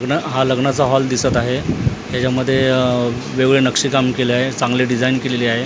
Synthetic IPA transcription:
ɡnəɦaləɡɳat͡saɦɔld̪isət̪aɦeɦjat͡ɕaməd̪ʱːje | ʋeɡɭenəkʂiːkamkeləaɦet͡sãŋɡleɖid͡zainkeleliaɦe

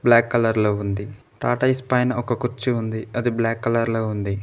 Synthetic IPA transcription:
blaːkːɐlɐɾloːund̪i | ʈaːʈɐjspɐjnɐʔɔkɐkuɾt͡ʃiund̪iɐd̪iblaːkːɐlɐɾloːund̪i

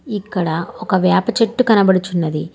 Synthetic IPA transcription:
ikːɐɽɐɔkɐʋjaːpɐt͡ʃeʈːukɐnɐbɐɽut͡ʃunːɐd̪i

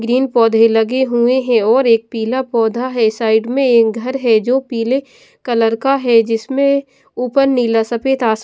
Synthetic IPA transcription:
ɡɾiːnpɔːd̪ʱelɐɡeɦueɦɛ̃ɔːɾeːk̚piːlapɔːd̪ʱaɦɛsaːɪɖmẽeːk̚ɡʱɐɾɦɛd͡ʒoːpiːle | kɐləɾkaɦɛd͡ʒɪsmẽ | uːpənːiːlasɐpeːt̪aːs

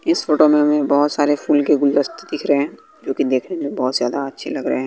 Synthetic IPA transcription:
ɪsfoːʈomẽmẽbɔɦʊt̪saːɾefuːlkeɡʊld̪əst̪d̪ɪkʰɾəɦeɛ̃ː | d͡ʒoːkid̪eːkʰnemẽbɔːt̪zjaːd̪aɐtːʃʰelɐɡɾəɦeɦɛ̃ː

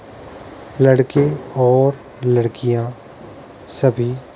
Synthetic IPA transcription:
lɐɽkẽɔːɾ | lɐɽkijã | sɐbʱi

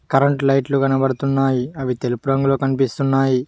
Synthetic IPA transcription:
kɐɾɐɳʈlɐjʈluɡɐnɐbɐɽut̪unːaːjiɐʋit̪elupuɾɐŋɡuloːkɐnipist̪unːaːji

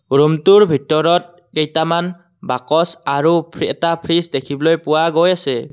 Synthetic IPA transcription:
ɾumtuɹbʱitɔɾɔt̚ | kejtaman | bakɔsaɾupʰɾɛtapʰɾisdekʰiblɔjpuwaɡojase

